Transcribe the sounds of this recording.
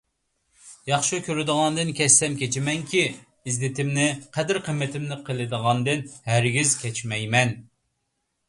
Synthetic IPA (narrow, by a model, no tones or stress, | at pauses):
jɑχʃukʲʰøɾɪd̪əʁɑnd̪ɨnkʲʰɛsːɛmkʲɛt͡ʃʰimɛŋkʲʰi | izlɪt̪ʰɪmnɪqʰɛd̪ɪɾqʰəmːɪt̪ʰɪmnɪqʰəlˠɨd̪əʁɑnd̪ɨnhæɾɡʲizkʲʰɛt͡ʃmɛjmɛn